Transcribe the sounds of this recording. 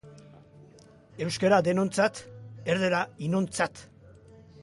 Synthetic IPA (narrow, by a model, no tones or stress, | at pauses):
e̞wskeɾad̪e̞no̞nt͡sat̪eɾðeɾainont͡sat̪